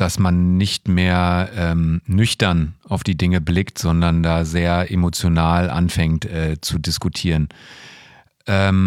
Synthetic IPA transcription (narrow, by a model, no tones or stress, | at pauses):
d̥asmanːɪçtmeːɐʔɛːmnʏçtɐnaʊfd̥iːdɪŋəblɪktz̥ɔndɐndaːzeːɐʔemot͡sjonaːlʔa̰nfɛŋktʔɛːt͡sudɪskutʰiːʁən | ʔɛːm